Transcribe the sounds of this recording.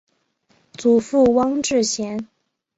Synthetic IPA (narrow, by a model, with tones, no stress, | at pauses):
t͡su˨˩fu˥˩wɑ˥ŋʈ͡ʂɻ̩˥˩ɕjɛ˧˥n